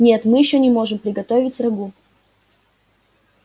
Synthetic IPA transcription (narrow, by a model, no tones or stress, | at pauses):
nʲe̞t̪mɨjɪɕːonʲɪmo̞ʐɨmpɾʲɪɡɐt̪ovʲɪtʲrɐɡu